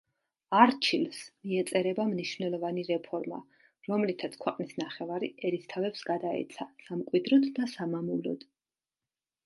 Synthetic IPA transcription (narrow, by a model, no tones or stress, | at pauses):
aɾt͡ʃʰilsmiɛt̪sʼɛɾɛbamniʃv̥nɛlˠɔvaniɾɛpʰɔɾma̰ | ɾɔmlit̪ʰat̪sʰkʰwɛqʼnisnaχɛvaɾiʔɛɾist̪ʰavɛpsɡad̪aɛ̰t̪sʰasamkʼwid̪ɾɔd̪ːasamamulɔ̰d̪̥